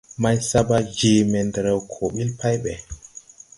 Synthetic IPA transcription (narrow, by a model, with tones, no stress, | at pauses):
ma˦jsa˦ba˦d͡ʒe˨mɛ˨ndɾɛ˨wkʰo˨ɓi˦lpʰa˦jɓɛ˨